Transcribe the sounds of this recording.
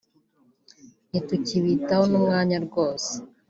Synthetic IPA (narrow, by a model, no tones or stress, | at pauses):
nituciβitahonumŋaːɲaɾɡoːse̥